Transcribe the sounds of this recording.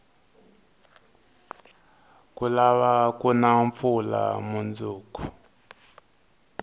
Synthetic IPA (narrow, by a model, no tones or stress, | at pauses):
kulaβakunaɱfula̰mund͡zuːku